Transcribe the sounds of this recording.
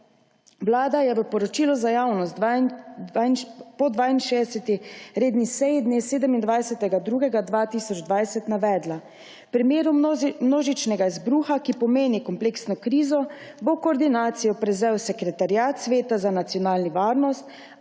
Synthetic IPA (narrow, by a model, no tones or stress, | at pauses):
wlaːd̪ajɛʋəpɔɾɔt͡ʃiːlɔzajaːwnɔst̪ | npɔd̪ʋaːinʃedɛsɛt̪iɾeːd̪nisɛjid̪neːseːd̪əmind̪ʋajsɛt̪ɛɡad̪ɾuːɡɛɡad̪ʋaːt̪iːsɔd͡ʒd̪ʋajsɛt̪naʋɛːd̪la | pɾimjeːɾumnoːʒit͡ʃnɛɡaizbɾuːxakipɔmeːnikɔmpleːksnɔkɾiːzɔ | bokoːɾd̪inaːt̪sijɔpɾɛzɛwsɛkɾɛt̪aɾjaːt̪sʋeːt̪azanat̪sijɔnaːlniʋaːɾnɔst̪